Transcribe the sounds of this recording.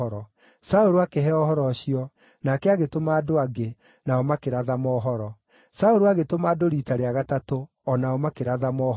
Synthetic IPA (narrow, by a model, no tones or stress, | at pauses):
ɾɔ | saoɾoakɛɦɛɔhɔɾɔɕijɔ | nakɛaɣetomaːdoaɡe | naɔmakeɾaðamɔːɦɔɾɔ | saoɾoaɣetomaːdoɾiːtaɾeaɣatato | ɔnaɔmakeɾaðamɔ